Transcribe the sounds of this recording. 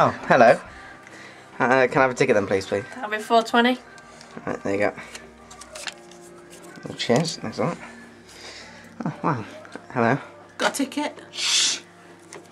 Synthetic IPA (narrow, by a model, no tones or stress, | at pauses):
oʊhɛloʊ | haəkʰə̃naɪvətʰɪkəʔ̚ðə̃mpʰl̥iːz̥pʰl̥iːabɪfɔːtʰw̥ɛ̃ñi | a̰ɪðḛɪɡɔ̰ʔ | t͡ʃʰɛzna̰sɔʔ | owaʊhɛloʊ | ɡ̥ɒʔtʰɪkɪʔ